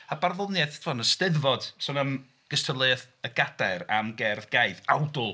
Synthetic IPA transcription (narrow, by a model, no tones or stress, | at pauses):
abarðʊlˠnjɛθtʰvɔnəstɪðvɔd̥sɔnəm | ɡ̥əstʰəlˠɨθ | əɡ̥ad̥aɾa̰mɡɛrðɡajθawdʊlˠ